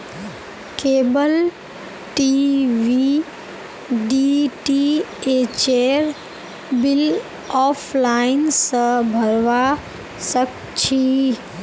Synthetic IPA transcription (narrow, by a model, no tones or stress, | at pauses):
keːbəl | ʈiʋi | ɖiʈiet͡ʃeɾ | bɪl | ɔːfʰlaːɪnsəbʱɐɾʋa | sək̚ | t͡ʃʰi